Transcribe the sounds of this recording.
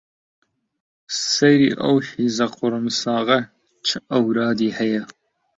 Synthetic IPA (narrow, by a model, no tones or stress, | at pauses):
sɐjɾḭːʔɐ̰whiːzɐqʊɾəmsɑːɣɐ | t͡ʃʰəɐwɾɑːd̪iːhɐjɐ